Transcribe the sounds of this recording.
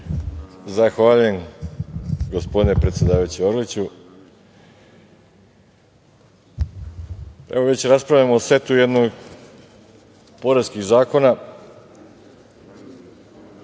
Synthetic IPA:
zaxʋaːʎujem | ɡo̞spo̞d̪ine̞pɾe̞t̪sjʲed̪aːʋajut͡ɕeoɾlit͡ɕu | e̞̰ʋo̞ʋe̞t͡ɕɾaspɾaʋʎʲamoːsʋe̞t̪uje̞d̪noɡ | po̞ɾeskixzaːko̞na

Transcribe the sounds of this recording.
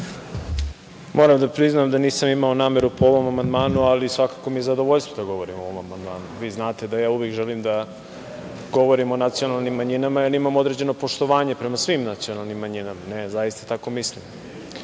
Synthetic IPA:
mo̞ːɾamd̪apɾiznamd̪aniːsamimaonaːme̞ɾupooʋo̞mamand̪maːnualisʋakako̞mije̞zad̪oʋoʎst̪vod̪aɡo̞ʋo̞ɾimoʋomamand̪ma̰ːnuʋiːznaːt̪e̞d̪ajaːuʋjekʒelimd̪a | ɡ̥o̞ʋo̞ɾimo̞nat̪sijo̞nalˠnimːaɲinamajanimamo̞d̪ɾe̞d͡ʑe̞no̞po̞ʃt̪o̞ʋaːɲe̞pɾe̞masʋimnat̪sio̞nalˠnimːaɲinamanezajist̪ḁt̪ako̞mislim

